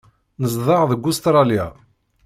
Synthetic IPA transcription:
nəzˤðˤɑʁðəɡʷːʊst̪ɾˤɑlja̰

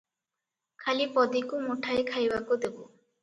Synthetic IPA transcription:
kʰalipɔd̪ikumoʈʰaekʰajbakod̪ebo

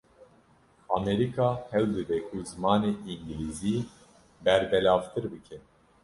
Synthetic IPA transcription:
ɑːmɛɾikʰɑːhɛwd̪ɨbɛkʰuzɨmɑːneːiŋɡiliːziː | bɛɾbɛlɑːvt̪ʰɨɾbɨkʰɛ

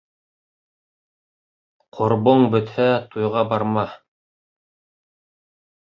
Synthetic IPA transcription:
qʰŏɾboɴbɵ̆t̪hæt̪ujʁɑbɑɾmɑ

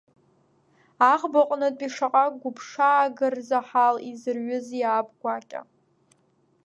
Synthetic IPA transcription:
aχbaqʷʼnɨtʼiʂaqʼakʼɡʷʊpʰʂaːɡɨrzaħalizɨrɥʊzjaːbɡʷakʲʼa̰

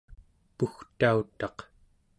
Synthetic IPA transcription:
puxt̪aut̪ɑq

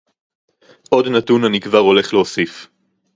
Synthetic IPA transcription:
ʔo̞dnatunanikvaʁo̞le̞χleosif

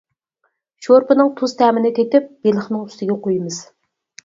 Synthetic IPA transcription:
ʃoɾpɨnɨŋt̪ʰuz̥t̪ʰɛmɪnɪkʲet̪ɪp̚b̥elˠəχnɨŋyst̪ɪɡʲɛqʰojmɨz̥

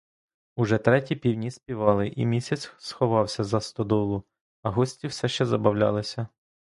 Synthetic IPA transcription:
ʊʒɛt̪ɾɛtʲipʲiwnʲisʲpʲiʋɑlˠɪʔḭmʲisʲɐt͡sʲsxɔʋɑwsʲɐzɐst̪ɔd̪ɔlˠʊ | ɐɦɔsʲtʲiwsɛʃt͡ʃɛzɐbɐwlʲɑ̰lˠɪsʲɐ

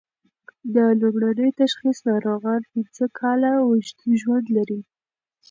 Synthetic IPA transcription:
d̪əlobɽanəjt̪aʃxisnɑɾoɣɑnpinzəkʰɑlawəʃt̪uʒwand̪laɾi

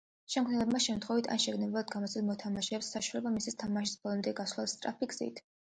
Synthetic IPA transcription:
ʃɛmkʰnɛlɛbmaʃɛmt̪ʰχɔvit̪ʰa̰nʃɛɡnɛbɛlad̪ɡamɔsʰɛd̪mɔt̪ʰamaʃɛːpsːaʃuwalɛbamisist̪ʰamaʃi̥sb̥ɔlˠɔmd̪ɛɡaslˠast̪ʼɾa̰pʰiɡz̥ḭt̪ʰ

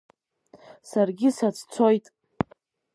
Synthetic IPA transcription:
sarɡʲɪsat͡sʰt͡sʰo̞jtʼ

